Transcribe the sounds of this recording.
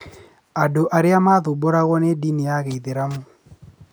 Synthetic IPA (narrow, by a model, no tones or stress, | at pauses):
adoʔaɾɪamaðʊboɾaɣɔnediniaɣeiðɪɾamo